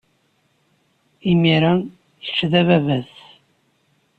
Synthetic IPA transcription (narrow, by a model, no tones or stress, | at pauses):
imiɾæ | θə̥t͡ʃːðævævæs